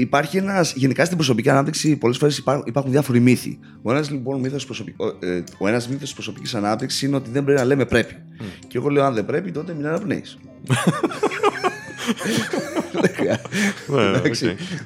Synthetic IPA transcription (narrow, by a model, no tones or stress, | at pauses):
ipɐɾçie̞nɐsʝe̞nikɐst̪imbɾos̬o̞piciɐnɐp̚t̪iksipo̞le̞sfo̞ɾe̞spipɐɾxunðjɐfo̞ɾimiθḭ | oenɐzlibo̞nmiθosispɾosopioo̞e̞nɐzmiθost̪i̥spɾo̞so̞picisɐnɐp̚t̪iksi̥sineo̞t̪iðembɾeinɐleme̞pɾe̞pi̥ | ceɣo̞leoɐnðebɾe̞pit̪o̞t̪eminɐnɐpnḛḭs | ðexɾiɐ | ksi